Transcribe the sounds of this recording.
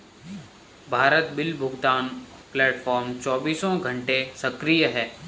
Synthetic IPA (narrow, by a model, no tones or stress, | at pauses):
bʱaːɾət̪bɪlbʱʊɡt̪aːnplɛːʈfɔːɾmt͡ʃɔːbiːsõɡʱə̃ɳʈesɐkɾijəɦɛː